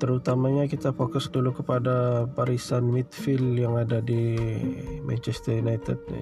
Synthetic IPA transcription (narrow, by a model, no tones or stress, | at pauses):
t̪əɾut̪amaɲakit̪afokʊsdulukəpadapaɾisanmit̪fɪljaŋadadi | mɛ̰nt͡ʃɛst̪ərjunajt̪ɛd̰̚